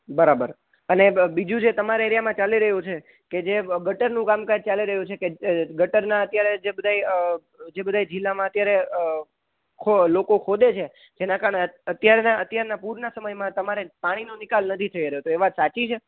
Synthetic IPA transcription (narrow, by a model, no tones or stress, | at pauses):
bəɾabəɾ | ənebid͡ʒũd͡ʒet̪əmaɾeeɾjamãt͡ʃaliɾəɦjũt͡ʃʰe | ked͡ʒeɡəʈəɾnũkamkəd͡ʒ̚t͡ʃaliɾəɦjũt͡ʃʰekeɡəʈəɾnaət̪jaɾed͡ʒebəd̪ʱaj | d͡ʒebəd̪ʱajd͡ʒɪlːamãət̪jaɾe | kʰolokokʰod̪et͡ʃʰe | d͡ʒenãkaɾəɳeət̪jaɾnaət̪jaɾnapuɾnasəməjmãt̪əmaɾepaɽ̃inonikalnət̪ʰit̪ʰəiɾəɦjot̪oeʋat̪sat͡ʃit͡ʃʰe